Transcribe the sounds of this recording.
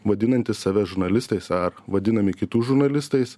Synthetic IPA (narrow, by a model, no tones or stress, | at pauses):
ʋɐd̪ʲɪnɐnʲt̪ʲɪssɑːʋʲɛʒʊɾnɐlʲɪst̪ɐɪsɐɾʋɐd̪ʲɪnɐmʲɪkʲɪt̪uːʒʊɾnɐlʲɪst̪ɐɪs